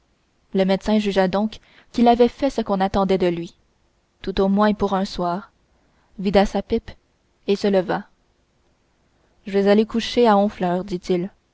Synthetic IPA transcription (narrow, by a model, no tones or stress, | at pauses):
ləmɛt̪sɛ̃ʒyʒad̪ɔ̃k | kːilavɛfɛsəkɔ̃nat̪ɑ̃d̪ɛd̪əlɥi | t̪ut̪omwɛ̃puʁœ̃swaːʁ | vid̪asapɪp | esələva | ʒəvɛzalekuʃeaɔ̃flœːʁd̪it̪il